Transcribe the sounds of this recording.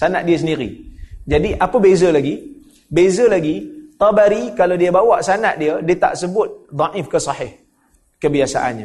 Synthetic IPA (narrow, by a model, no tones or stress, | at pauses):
sanaʔ̪̚diəs̬əndiɾḭd͡ʒadiʔapəbezəlaɡi | bezəlaɡit̪ɑbaɾikaladiəbawaʔsanaʔ̪̚diədiət̪a̰ʔsəbʊt̪̚d̪ˤɑʔɪfkəsɑhɪh | kəbiasa̰ʔa̰nɲa